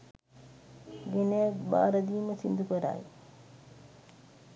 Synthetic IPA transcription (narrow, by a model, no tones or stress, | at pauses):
ɡenejakba̰ːɾəd̪iːməsind̪ukəɾa̰j